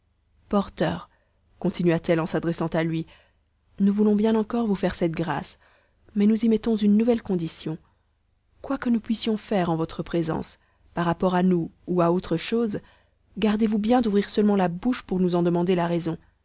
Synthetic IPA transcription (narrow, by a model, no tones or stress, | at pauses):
pɔʁt̪œːʁ | kɔ̃t̪inɥat̪ɛlɑ̃sad̪ʁɛsɑ̃t̪alɥi | nuvulɔ̃bjɛ̃nɑ̃kɔʁvufɛʁsɛt̪ɡʁa̰s | mɛnuzimɛt̪ɔ̃zynːuvɛlkɔ̃d̪isjɔ̃ | kwakənupɥisjɔ̃fɛʁɑ̃vɔt̪χəpχezɑ̰̃s | paʁːapɔʁanuuaot̪χəʃoz | ɡaʁd̪evubjɛ̃d̪uvʁiʁsœlmɑ̃labuʃpuʁnuzɑ̃d̪əmɑ̃d̪elaʁezɔ̃